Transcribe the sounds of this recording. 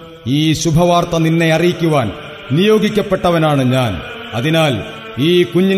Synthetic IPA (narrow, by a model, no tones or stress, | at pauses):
iːɕubʱɐʋaːrt̪ɐninːe̞ɐrijikʲːuʋaːn | nijo̞ːɡikʲːɐpːe̞ʈːɐʋɐnaːɳɨɲaːn | ɐ̰ðinaːl | iːkuɲːi